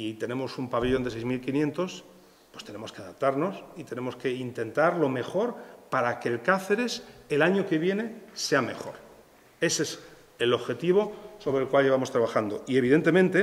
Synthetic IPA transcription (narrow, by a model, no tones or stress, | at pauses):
it̪e̞nẽ̞mo̞sumpaβeʎo̞neejzmilkinje̞nt̪o̞s | pwe̞st̪e̞ne̞mo̞ske̞aðap̚t̪aɾno̞sit̪e̞ne̞mo̞ske̞int̪e̞nt̪aɾlo̞me̞xo̞ɾpaɾakeːlkaθe̞ɾe̞selaɲoke̞βje̞ne̞se̞ame̞̰xo̞̰ɾ | e̞ses | elo̞βxe̞t̪iβ̞o̞so̞βɾelkwalʝe̞β̞amo̞st̪ɾaβaxand̪o̞ie̞β̞iðe̞nt̪e̞mẽnt̪e